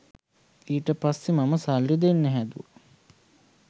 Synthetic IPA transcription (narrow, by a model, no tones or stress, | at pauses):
iːʈəpasːimaməsalːid̪enːɛɦæd̪uʋə